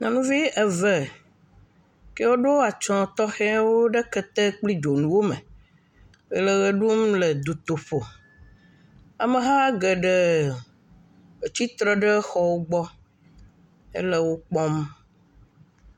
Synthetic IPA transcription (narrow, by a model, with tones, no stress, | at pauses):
nɔ̃˨nũ˦vi˦ʔɛ˨vɛ˨ | ke˦wo˦ɖo˦wa˨t͡ʃɔ̃˦t̪ɔ˦xɛ˦a˦wo˦ɖe˦kɛ˦t̪ɛ˦k͡pli˦d͡ʒo˨nũ˨wo˦me˨ | e˨le˨ɣe˨ɖu˦mle˨d̪u˨t̪o˨ɸo˨ | a˨me˨ɦã˦a˦ɡɛ˨ɖɛ˨ | e˨t͡ɕi˦t̪ɾɛ˦ɖɛ˦xɔ˨wo˦ɡ͡bɔ˦ | ḛ˦le˦wo˦k͡pɔ˦m